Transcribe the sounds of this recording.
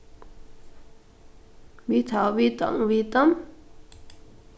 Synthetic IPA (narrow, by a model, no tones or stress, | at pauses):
mit̪ʰawit̪a̰ŋwit̪am